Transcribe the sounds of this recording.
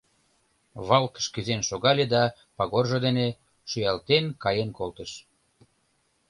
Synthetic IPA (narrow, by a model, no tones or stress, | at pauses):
βɑlkə̥ʃkyzenʃoɣɑlʲed̪ɑ | pɑɣorʒod̪ene | ʃyjɑlt̪enkɑjenkolt̪əʃ